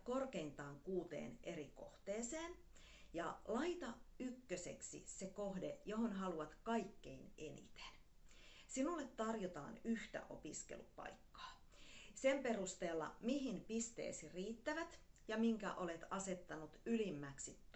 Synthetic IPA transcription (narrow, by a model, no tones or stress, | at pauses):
korkeint̪ɑːŋkuːt̪ḛːnʔeriko̰ht̪eːseːn | jɑlɑit̪ɑykːøsḛksḭsekoɦdejohonɦɑluɑt̪kɑikːeinenḭt̪e̥n | sinulːet̪tɑrjot̪ɑ̰ːnyht̪æ̰ʔopiskḛlupɑ̰ikːɑ̥ː | semperust̪eːlːɑ̰miɦinpist̪ḛːsiriːt̪ːæʋæt̪jɑmiŋkæ̰ʔolet̪ɑset̪ːɑnut̪ylimːæksit̪ː